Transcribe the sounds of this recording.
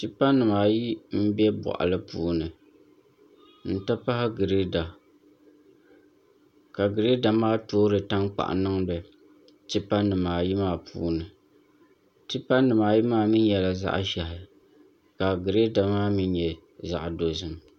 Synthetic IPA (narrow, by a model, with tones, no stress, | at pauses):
ti˦pa˦nːɨ˨maː˨ji˦m̩˦bɛ˦bɔ̰˨ʔa̰˨lɨ˦puː˦nɨ˨ | n̩˦ta˦pa˦hɪ˦ɡɨ˨ɾe˦da˨ | ka˨ɡɨ˨ɾe˦da˨maː˦toː˦ɾɨ˨ta˦ŋk͡pa̰˨ʔnɨ˦ŋbɨ˨ | tɨ˦pa˦nɨ˨maː˨ji˦maː˦˨pʰṵː˦nɨ˨ | tɨ˦pa˦nːɨ˨maː˨ji˦maː˦mi˦n˦jɛ˨la˨za̰˦ʔʃɛ˨hɪ˨ | ka˨ɡɨ˨ɾe˦da˨maː˦mi˦njɛ˨ | za̰˨ʔdo˨zɨ˨m